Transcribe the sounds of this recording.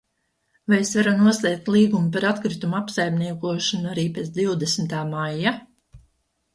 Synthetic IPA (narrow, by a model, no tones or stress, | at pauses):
vajesvaɾunuɔslˠiɛk̚t̪lˠiːɡumupaɾat̪kɾit̪umuapsajmniɛkuɔʃanuaɾiːpet̪sd̪iwd̪esmt̪aːmajːa